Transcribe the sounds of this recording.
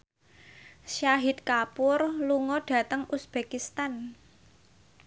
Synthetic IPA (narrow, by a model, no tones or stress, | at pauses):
ʃaɦɪt̪̚kapʊrluŋɔɖ̥ä̤t̪əŋusb̥ekist̪an